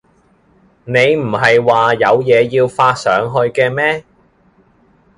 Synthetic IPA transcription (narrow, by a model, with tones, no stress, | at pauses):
ne˨˧jm̩˨˩ɦɐ˨jwaː˨jɐ˨˧wjɛː˨˧jiː˧wfaː˧t̚sœː˨˥ŋɦɵ˧ɥkɛː˧mɛː˥